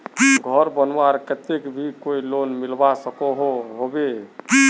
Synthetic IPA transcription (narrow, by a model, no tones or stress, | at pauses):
ɡʱəɾbənaɾkət̪ekbʱikoilonmilbasəkɔɦoɦobe